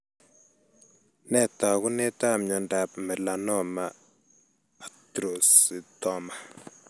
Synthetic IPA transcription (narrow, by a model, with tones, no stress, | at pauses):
nɛ˦˨ta˨ku˦nɛ˦ta˦mɲɔ˨nda˨p̚mɛ˨la˨nɔ˦ma˨ | tɾo˨si˨tɔ˦ma˨